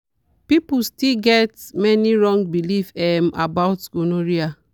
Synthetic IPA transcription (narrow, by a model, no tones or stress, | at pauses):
pipustilɡɛtmɛniɹɔ̃ŋbilifɛmabaʊtɡonoɾia